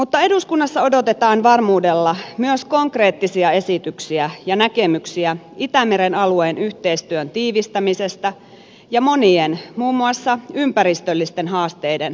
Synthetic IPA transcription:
mut̪ːɑe̞duskunːɑsːɑo̞do̞t̪et̪ɑːnʋɑrmuːde̞lːɑmyøsko̞ŋkre̞ːt̪ːisiɑe̞sit̪yksiæjɑnækemyksiæ | it̪æmeɾenɑlueːnyçt̪e̞ist̪yønt̪iːʋist̪æmise̞st̪ɑ | jɑmo̞nienmuːmːuɑsːɑympæɾist̪ølːist̪enɦɑːst̪ejden

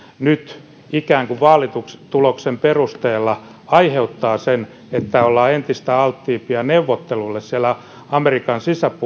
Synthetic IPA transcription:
nyt̪ | ikæːŋkuʋɑːlit̪ukst̪uloksemperust̪eːlːɑ | ɑiheut̪ːɑːsen | et̪ːæolːɑːent̪ist̪æɑlt̪ːiːpiɑneuʋːot̪ːelulːessiælːæ | ɑmerikɑnsisæpu

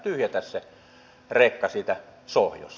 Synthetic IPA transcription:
t̪yhjæt̪æsse | rekːɑsiːt̪æsohjo̰s

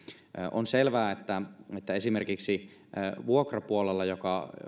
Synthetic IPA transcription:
ʔo̰nselʋæːet̪ːæet̪ːæesimerkiksi | ʋuokrɑpuolelːɑjokɑ

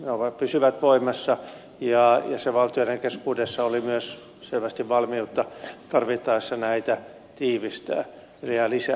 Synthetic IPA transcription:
neoʋɑpysyʋæt̪ʋoimɑsːɑ | jɑjɑseʋɑlt̪ioneŋkeskuːdesːɑolimyøs | selʋæst̪iʋʋɑlmiut̪ːɑt̪ɑrʋit̪ːɑisːɑnæit̪æ | t̪iːʋist̪æ̰ː | liælisæ

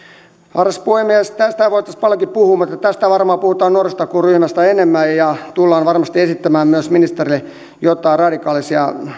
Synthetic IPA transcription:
ɑrɑspuhemːiest̪æst̪æʋoit̪ːˑɑspɑljokippuhuːmut̪et̪ːæt̪æst̪æʋɑrmɑːpuhut̪ɑːnnuorest̪ɑkuryhmæst̪æenemːæjjɑt̪ulːɑːnʋɑrmɑst̪iesit̪ːæmæːmmyøsminist̪erilːe | jot̪ːˑɑirɑdikɑːlisjɑ

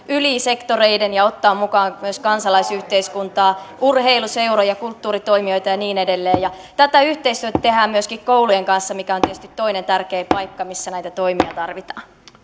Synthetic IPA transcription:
yliːsekt̪oreidenjɑot̪ːɑːmmukɑːŋmyøskɑnsɑlɑisyht̪eiskunt̪ɑːurheiluseuwrojɑkult̪ːuːɾit̪oimio̞jt̪ɑjɑniːnedelːeːjɑ | t̪æt̪æyht̪eist̪yøt̪æt̪eɦæːmmyøskikkowlujeŋkɑnsːɑmikæo̞nt̪eht̪yt̪t̪ːo̞inent̪ærkeːpɑjkːɑmisːænæjt̪æt̪o̞imiɑt̪ɑrʋit̪ɑ̥ːn

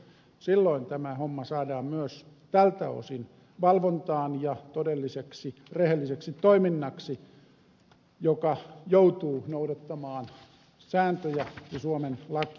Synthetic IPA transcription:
silːoint̪æmæhomːɑsɑːdɑːmmyøs | t̪ælt̪æ̰o̰sin | ʋɑlʋont̪ɑːnjɑt̪odelːiseksirehelːiseksit̪oiminːɑksi | jokɑjout̪uːnoudɑt̪ːɑmɑːn | sæːnt̪øjæjɑsuomenlɑki̥

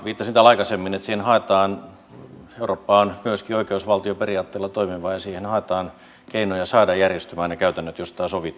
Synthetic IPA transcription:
ʋiːt̪ːɑsnit̪ælɑikɑsemːinet̪siːhenhɑˑet̪ɑːn | euroːpːɑːnmyøskioikeusʋɑlt̪ioperiɑːt̪ːeːlːɑt̪oimiʋɑːjɑsiːhenhɑet̪ɑːn | keinojɑsɑːdɑjjærjest̪ymæːnnekæyt̪ænːøt̪jost̪ɑːsoʋit̪ː

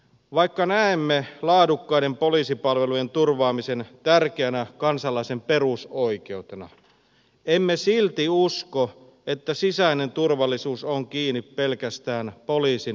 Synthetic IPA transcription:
ʋɑikːɑnæemːelɑːdukːɑijdempoliːsipɑlʋeluje̞nt̪urʋɑːmise̞nt̪ærkeænækɑnsɑlːˑɑisempe̞rusoike̞ut̪enɑ̰ | emːesilt̪iusko | et̪ːæsisæinent̪urʋɑlːisuːsoŋkiːnippelkæst̪æːnpoliːsi

